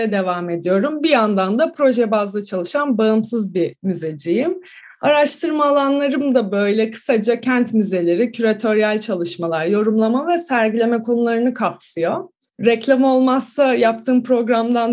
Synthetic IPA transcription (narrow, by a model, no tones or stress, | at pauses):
ɛd̪e̞vaːme̞d̪ijo̞ɾumbijand̪and̪apʰɾo̞ʒɛbazˠat͡ʃʰalˠɯʃanbaɯmsɯzbimyzed͡ʒijim | aɾaʃt̪ʰɯɾmaːlˠanlˠaɾɯmd̪abøjlʲɛkʰɯ̥sad͡ʒacʰænt̪myze̞lʲe̞ɾicʰyɾat̪ʰo̞ɾjælʲt͡ʃʰalˠɯʃmalˠaɾjo̞ɾumlˠamavɛsæɾɟilʲe̞mɛkʰo̞nulˠaɾɯnɯkʰapsɯjo̞ | ɾɛclʲamo̞lˠmasːajap̚t̪ʰɯːmpɾo̞ɡɾamd̪an